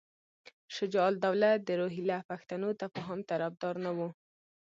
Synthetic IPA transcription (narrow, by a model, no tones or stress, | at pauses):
ʃɪd͡ʒɑld̪awlat̪̚d̪əɾoɦilapaxt̪anot̪apəɦɑmt̪aɾafd̪ɑɾnawu